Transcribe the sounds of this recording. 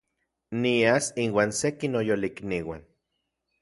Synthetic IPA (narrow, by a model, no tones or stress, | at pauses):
niasinwaːnsekinojolikniwa̰n